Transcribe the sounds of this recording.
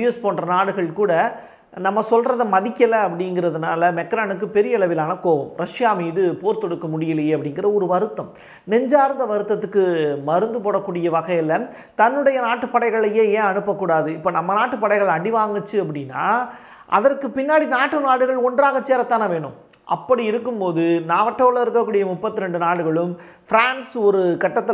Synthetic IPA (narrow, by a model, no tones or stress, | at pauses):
ɪjɐspoːɳrɐnaːɽɯɣɐɭkuːɽɐ | nɐmːɐsɔlrɐðɐmɐðɪkːɐlɐɐpːɐɽɪŋɡɪɾɐðɯnaːlɐmɛkːɾaːnɯk̬ːɯpɛɾɪjɐɪɭɐʋɪlaːnɐkoːʋɐmɾɐʂjaːmiːðɯpoːɾt̪ɔɽɯkːɐmʊɽɪjɪlɐjɐpːɐɽɪŋɡɪɾɐɔɾɯʋɐɾɯt̪ːɐm | nɛɲd͡ʒaːɾnd̪ɐʋɐɾɯt̪ːɐt̪ːɯkːɯmɐɾɯnd̪ɯpoːɽɐkːuːɽɪjɐʋɐɣɐjɪlɐ | t̪ɐnːɯɽɐjɐnaːʈːɯpːɐɽɐɪɣɐɭɐjeːeːɐɳɯpːɐkːuːɽaːðɯɪpːoːnɐmːɐnaːʈːɯpːɐɽɐɪɣɐɭɐɽɪʋaːŋɡɐt͡ʃːɯɐpːɐɽɪnːa̰ː | ʔɐ̰ðɐrkɯpɪnːaːɽinaːʈːɯnaːɽɯɣɐɭɔndraːɣɐt͡ʃːeːɾɐt̪ːaːnɐʋeːɳɯ̰m | ʔɐ̰pːɐɽiɪɾɯkːɯmpoːðɯnaːʋɐʈːɐʋɭɐɪɾɯkːɐkːuːɽɪjɐmʊpːɐt̪ːɪɾɛɳɖɯnaːɽɯɣɐɭɯm | fɪɾaːnsɔɾɯkɐʈːɐt̪ːɪ